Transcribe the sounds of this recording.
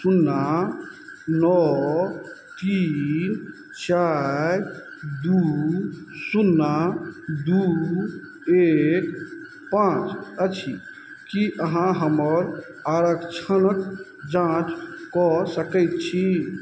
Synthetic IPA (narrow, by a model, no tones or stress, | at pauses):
sunːa | nɔ | t̪in | t͡ʃaj | d̪u | sunːad̪u | ek | pãt͡ʃət͡ʃʰi | kiʔəɦãɦəməɾ | aɾəkt͡ʃʰənək | d͡ʒãt͡ʃkɔsəkəɪt̪̚t͡ʃʰi